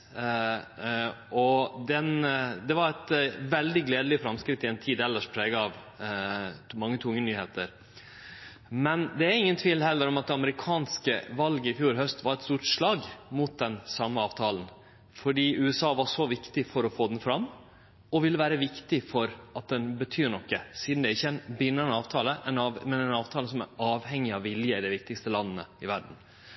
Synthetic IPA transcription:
ɔd̪ɛnd̪ɛʋɑɾæt̪ʋɛld̪ɪɡleːd̪əlɪəfɾɑmskɾɪt̪ːɪɛnt̪ʰiːd̪ɛlːəʂpʰɾeːɡəɑʋ | mɑŋːət̪ʰʊŋːənyːheːt̪ə̰ɾ | mɛnd̪ɛæɾɪŋːənt̪ʰʋiːlːɦɛlːəɾɔmɑt̪̚d̪ɛɑməɾɪkʰɑːnskəʋɑlɡəɪfjuːɾɦœst̪ʋɑɾɛt̪st̪uːʈʂɭɑːɡmut̪̚d̪ɛnsɑmːəɑːʋt̪ʰɑːlən | fɔɖiːʉːɛsɑːʋɑʂɔʋɪkt̪ɪfɔɾɔfoːd̪ɛnfɾɑmː | ɔʋɪləʋæːɾəʋɪkt̪ɪfɔɾɑt̪̚d̪ɛnbət̪ʰyːɳɔkːəsiːd̪n̩d̪ɛɪçːəæɪnbɪnːənəɑːʋt̪ʰɑːləʔɛnɑmɛnɛɪnɑːʋt̪ʰɑːləsɔmæɾɑːʋhɛŋːɪɑʋʋɪljəɪd̪ɛɪʋɪk̚t̪ɪkst̪əlɑnːənə̰ɪʋæɖɳ̩

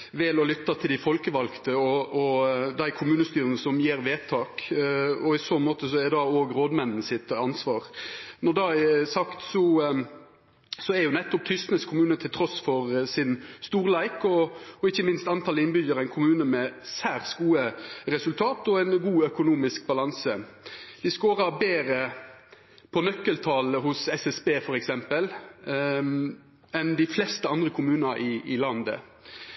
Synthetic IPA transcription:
ʋeːlɔlʏt̪ːɑt̪ʰɪld̪ɪfɔlkəʋɑlkt̪əɔɔd̪æɪkʰʊmʉːnəst̪yːɾənəsɔmjeːɾʋeːtt̪ʰɑːkɔɪsɔnmoːt̪əsɔɛd̪ɑoːɡɾoːd̪mɛnːn̩sɪt̪ɑnsʋɑːʁnɔd̪ɑsɑkt̪sɔ | sɔɛjʊnɛt̪ːɔp̚t̪ʰʏst̪nəskʰʊmʉːnət̪ʰɪlt̪ʰɾɔsfɔɾsɪnst̪uːɾlæɪkɔɔɪçːəmɪnst̪ɑnt̪ʰɑlɪnbʏjəɾɛɪnkʰʊmʉːnəmɛsæːʁsɡuːəɾɛsʉlt̪ʰɑːt̪ɔɛnɡuːœkʊnuːmɪsk̚bɑlɑnsəd̪̥ɪskoːʁəɾbeːɾə | pʰɔnœkːəlt̪ʰɑləɦʊsɛsɛsbeːfɔɾɛksɛmpəl | ɛnd̪ɪflɛst̪əɑnd̪ʁəkʰʊmʉːnəɾʔɪɪlɑnd̪ə̰

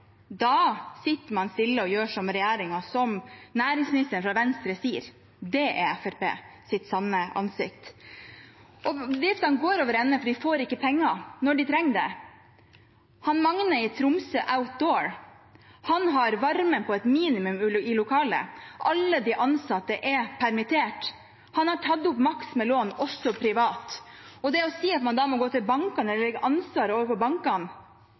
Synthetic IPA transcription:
d̪ɑsɪt̪ːəmɑnst̪ɪlːəɔjøːʂɔmɾɛjæːɾɪŋɑsɔmnæːɾɪŋsmɪnɪst̪əɾənfɾɑʋɛnst̪ɾəsiːɾ | d̪ɛʔɛɾɛfæɾpḛːsɪt̪sɑnːəʔɑ̰nsɪ̰k̚t̪ | ʔɔbəd̪ɾɪft̪ɑnɡoːɾoːʋəɾhɛnːəfɔɖɪfoːɾɪkːəpʰɛŋːɑnɔɖɪt̪ʰɾɛŋːd̪ɛ | hɑnmɑŋnəɪt̪ʰɾʊmsøːʔaʊt̪̚d̪oːɹ | hɑnɦɑɾʋɑɾmənpʰɔɛt̪miːnɪmʉmɪlʊkʰɑːlə̰ʔɑlːəd̪ɪʔɑnsɑt̪ːəʔɛpʰæɾmɪt̪ʰeːʈ | hɑnhɑʈʰɑd̪ːʊpmɑksmɛloːnɔsɔpʰɾɪʋɑːt̪ɔd̪ɛɔsiːɑt̪mɑnd̪ɑːmɔɡoːt̪ɪlbɑŋkɑnəɛlːlɛɡːəʔɑnsʋɑːɾəoːʋəɾpʰɔbɑŋkɑn

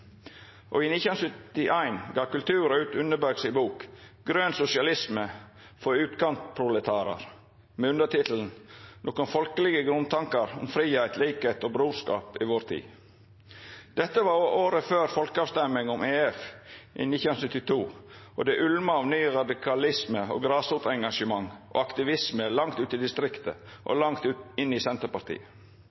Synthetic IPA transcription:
ʔoɪnɪt̪ːnɑnsʏt̪ɪʔæɪnɡɑːɾkʉlt̪ʰʉːɾəʉːt̪ʉnəbœɡsɪbuːkɡɾønsʊsɪɑlɪsmə | fɔɾʉːt̪kɑnt̪pʰɾʊlət̪ʰɑːɾə̰ɾ | mɛʉnd̪əʈɪt̪əl̩n̩nʔɔːkɔnfɔlkəlɪɡəɡɾʉn̚t̪ʰɑŋkɑɾʊ̰mfɾiːhæɪt̪ʰliːkhæɪt̪oːbɾuːskɑ̰ːpɪːʋoːɾt̪ʰḭː | d̪̥ɛt̪ːəʋɑːɾooːɾəføːɾfɔlkəɑːʋst̪ɛmɪŋʊmeːɛfʔɪ̰ːnɪt̪ːnnsʏt̪ːɪt̪ʰuːʔo̰d̪ɛʔʉlmɑɑːʋnyːɾɑd̪ɪkʰɑlɪsməo̰ːɡɾɑːsʊt̪ɛŋɡɑʂəmɑŋʔo̰ːɑkt̪ɪʋɪsməlɑŋt̪ʉːt̪ɪd̪ɪst̪ɾɪkt̪ə̰ | ʔo̰lɑŋt̪ʉːt̪ɪnːɪːsɛnt̪əpɑɾt̪ʰḭːə

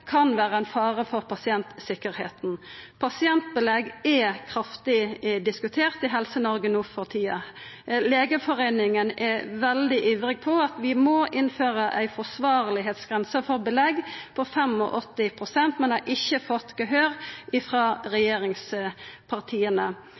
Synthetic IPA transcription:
kʰɑnʋæːɾəɛnfɑːʁəfɔʁpʰɑsɪɛnt̪sɪkəɾhḛːt̪n̩pʰɑsɪɛnt̪̚bəlɛɡɛkʰɾɑft̪ɪd̪ɪskʉt̪ʰeːʁt̪ɪɦɛlsənɔɾɡənuːfɔʁt̪ʰiːɑleːɡəfɔʁeɪnɪŋənɛʋɛld̪ɪʔyːʋɾɪɡ̚pʰɔɑt̪ʋɪmɔʔɪnføːʁəʔæ̰ɪfɔsʋɑːɾlɪɦeːt̪sɡʁɛnsəfɔʁbəlɛɡpʰɔfɛmɔ̰ʔɔt̪ːɪpʰɾʊsɛnt̪mɛnhɑɾʔɪçːəfɔt̪ɡəɦøːʁɪfʁɑːɾɛjeːɾɪŋspʰɑʁt̪ʰiːənə

